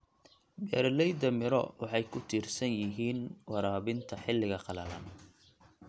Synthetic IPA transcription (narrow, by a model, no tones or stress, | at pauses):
bɛːɾlɛjd̪ɐmɪɾɔ̰wɑħɑjkʰʊt̪ʰiːrsɐnjɪɦiːnwɑɾaːβɪnt̪ʰɐħɪlːɪɣɐqɑlɐlɐn